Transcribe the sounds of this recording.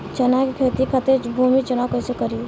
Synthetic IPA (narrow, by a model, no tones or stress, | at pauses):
t͡ʃɐnakikʰeːt̪ikʰɐt̪ebʱuːmit͡ʃɐnakəɪsekəɾi